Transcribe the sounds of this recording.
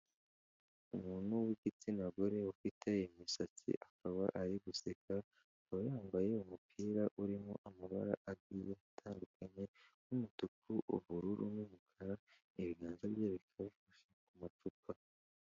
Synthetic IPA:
umuːnuwiɡit͡sinaɡoɾe̞ufitʰeimisat͡sḭʔakaβaʔaɾiɡuseka | awajaːmbaje̞umupʰiːɾaʔuɾimo̰ʔamaβa̰ɾa̰ʔaɡijeatʰaːndukʰaɲe̞numutukuʔṵβuɾuɾunuβukʰaɾa | iβiɡaːnzaβjeːβekʰaβufaʃekumat͡ʃupa

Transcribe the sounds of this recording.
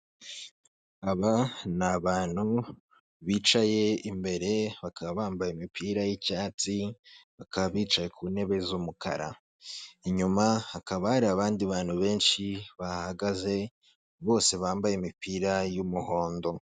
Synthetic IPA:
aβanaβaːn̥hu | βiːt͡ʃaje̞imbe̞ɾe̞βakaβaβaːmbajemipʰiːɾajicaːt͡siβakaβaβiːt͡ʃaje̞kʰuːne̞βe̞zumukʰa̰ɾa̰ | iɲumahakaβahaɾiaβaːndiβaːnhuβe̞ːnʃiβahaɡaze̞ | βo̞ːse̞βaːmbajemipʰiːɾajumuho̞ːndo̞

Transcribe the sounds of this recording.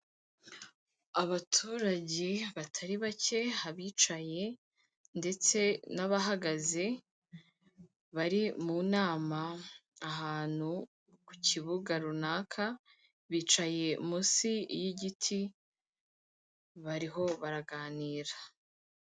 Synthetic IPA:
aβatʰuɾaɟe̞βatʰaɾiβace̞haβiːt͡ʃaje̞ | nde̞t͡se̞naβaɦaɡaze̞ | βaɾimuːnaːmaː | ɦaːn̥hu | ku̥cʰiβuɡaɾunaːkʰa | βiːt͡ʃaje̞musijiɟitʰi | βaɾiɦo̞βaɾaɡaːniːɾa

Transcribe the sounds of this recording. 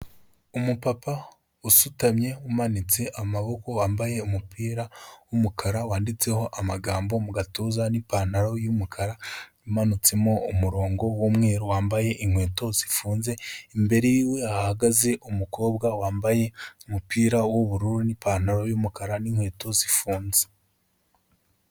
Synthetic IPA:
umupapa | usutamɲe̞wumanit͡se̞ʔamaβo̞ko̞waːmbaje̞umupiːɾawumukʰaɾawaːndit͡se̞ho̞ʔamaɡaːmbo̞muɡatozanipan̥aɾo̞jumukʰaɾajumanut͡se̞mo̞umuɾo̞ːŋɡo̞womŋeːɾowaːmbaje̞ʔiŋhwe̞ːto̞z̥ifuːnze̞imbe̞ɾejiːwe̞ahaɡaze̞ʔumuko̞ːbɡawaːmbaje̞umupiːɾawoβuɾuɾunipaːn̥aɾo̞jumukaɾaniŋ̥we̞ːto̞zifuːnze̥

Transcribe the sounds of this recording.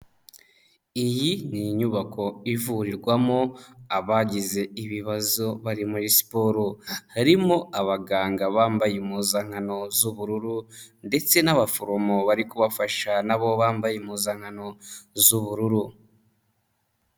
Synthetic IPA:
ijiniɲuβako̞ivuɾiɾɡwamo̞aβaɟize̞iβiβazo̞βaɾimuɾisi̥po̞ɾohaɾimo̞aβaɡaːŋɡaβaːmbajemuːzaŋ̥hano̞zuβuɾuɾunde̞t͡se̞naβafoɾomo̞βaɾikuβafaʃanaβo̞βaːmbajemuːzaŋ̥ano̞zuβuɾuɾu

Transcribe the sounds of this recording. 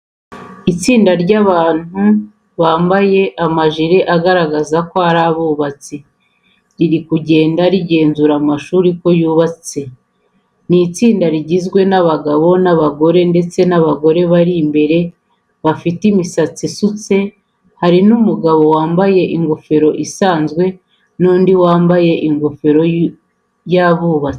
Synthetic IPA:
it͡siːndaɾɟaβaːn̥u | βaːmbaje̞ʔamaʒiɾeʔaɡaɾaɡazakoaɾaβuːβat͡si | ɾiɾikuɟe̞ːndaɾiɟe̞ːnzuɾamaʃuːɾiko̞juːβat͡se̞ | nit͡siːndaɾiɟizɡwe̞naβaɡaβo̞naβaɡo̞ɾe̞nde̞t͡se̞naβaɡo̞ɾe̞βaɾimbe̞ɾe̞ | βafitimisat͡sisut͡se̞ | haɾinumuɡaβo̞waːmbaje̞ʔiŋɡofe̞ɾo̞ʔisaːnzɡwe̞ | nuːndiwaːmbaje̞ʔiŋɡofe̞ɾo̞ | jaβuːβat͡si̥

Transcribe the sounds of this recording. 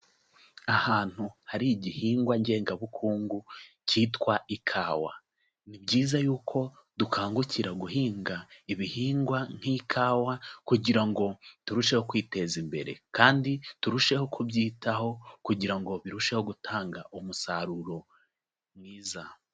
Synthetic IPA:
ahaːn̥huhaɾiɟihiːŋɡwaɲɟe̞ːŋɡaβukʰuːŋɡu | ciːtwaikʰaːwa̰ | nibɟiːzajuːkʰo̞dukʰaːŋɡucʰiɾaɡuhiːŋɡaiβihiːŋɡwan̥hikʰaːwakuɟiɾaŋɡo̞tuɾuʃe̞ho̞kwiːte̞zimbe̞̰ɾe̞̰kaːndituɾuʃe̞hokʰubjiːtaho̞kuɟiɾaŋɡo̞βiɾuʃe̞ho̞ɡutʰaːŋɡaʔumusaɾuɾo̞ | mŋiːza

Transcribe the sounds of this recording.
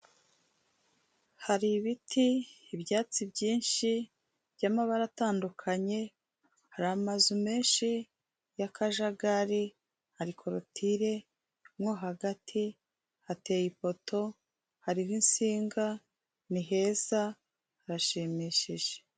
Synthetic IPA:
haɾiβitʰiːbjaːt͡sibɟiːnʃi | bɟaːmaβaɾataːndukʰaɲe̞ | haɾamazume̞ːnʃi | jakʰaʒaɡaɾi | haɾikʰoɾotʰiɾe̞ | mŋoɦaɡatʰi | hate̞jipo̞tʰo̞ | haɾiɾinsiːŋɡa | niɦe̞z̥a | haɾaʃimiːʃiʒ̥e̥

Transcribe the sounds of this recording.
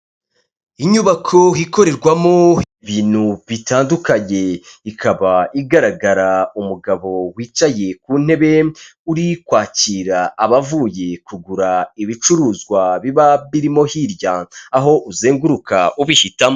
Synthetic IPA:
iɲuβakʰo̞ɦiko̞ɾe̞ɾɡwamo | βiːn̥huβitaːndukaɲe̞ikaβaiɡaɾaɡaɾaumuɡaβo̞wiːt͡ʃaje̞kuːn̥he̞βe̞uɾikwaːciɾaːβavuje̞kuɡuɾaiβit͡ʃuɾuːzɡwaβiβaβiɾimo̞hiɾjaːɦo̞ʔuzeːŋɡuɾukauβihitamo

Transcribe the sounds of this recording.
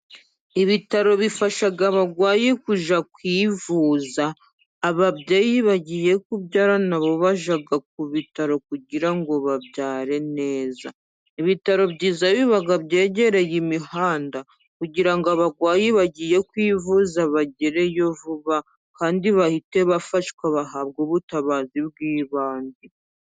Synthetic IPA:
iβitaɾo̞βifaʃaɡaβaɡwaːjekuʒakwiːvuːzaː | βaβɟejiβaɟije̞kubɟaːɾanaβo̞βaʒaɡak̚uβitaɾo̞kuɟiɾaŋɡo̞βabjaːɾe̞ne̞ːza̰ | iβitaɾo̞bɟiːzaβiβaɡaβje̞ːɟe̞ɾe̞jimihaːnda | kuɟiɾaŋɡoaβaɡwaːjiβaɟije̞kwiːvuzaβaɟeɾe̞jo̞vuβa | kaːndiβahite̞βafaʃkwaβaɦabɡoβutaβaziβɡiːβaːndu

